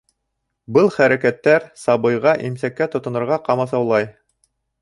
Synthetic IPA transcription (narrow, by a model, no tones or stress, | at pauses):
bɤlˠχæɾækæt̪ːæɾsɑbɤ̆jʁɑʔimsækːæt̪ŏt̪ŏnɤ̆ɾʁɑqɑmɑsɑwlˠɑj